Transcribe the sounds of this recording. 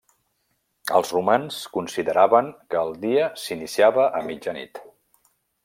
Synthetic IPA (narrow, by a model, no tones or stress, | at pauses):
ə̰lˠzrumanskunsiðəɾaβəŋkəːlˠd̪iəsinisiaβəʔəmid͡ʒənḭt̪